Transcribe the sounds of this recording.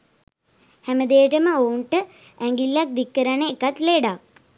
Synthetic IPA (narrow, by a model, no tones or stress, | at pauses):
hæməd̪ejəʈəməouɳʈə | æŋɡilːak̚d̪ikːəɾanəekat̪leɖak̚